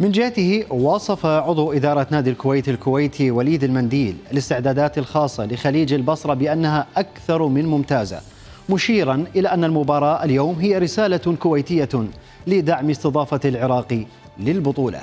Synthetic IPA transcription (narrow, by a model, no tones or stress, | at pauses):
mɪnd͡ʒɪhat̪ɪhɪwɑːsˤɑfaʕʊðˤuʔɪd̪ɑːɾˤɑt̪naːd̪ilkʊwajt̪alkʊwajt̪ʰiwaliːd̪ɪlmand̪iːlalɪst̪ɪʕd̪aːd̪aːt̪alxɑːsˤːɑlɪxaliːd͡ʒalbɑsɾˤɑbɪʔanːaɦaʔakθɑɾˤmɪnmʊmt̪aːza̰ | mʊʃiːɾɑnʔɪlaʔanːalmʊbɑːɾˤɑːʔaljoːmɦɪjːaɾɪsaːlakʊwajt̪ɪjːa | lɪd̪aʕmɪst̪ɨd̪ˤɑːfalʕɪɾɑːqi | lɪlbʊt̪ˤuːla̰